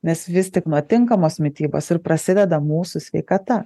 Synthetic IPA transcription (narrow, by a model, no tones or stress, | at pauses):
nʲɛsʋʲɪsʲt̪ʲɪknuɔt̪ʲɪŋkɐmoːsmʲɪt̪ʲiːbo̰ːsɪɾpɾɐsʲɪd̪ʲɛd̪ɐmuːsʊsʲʋʲɛɪkɐt̪ɐ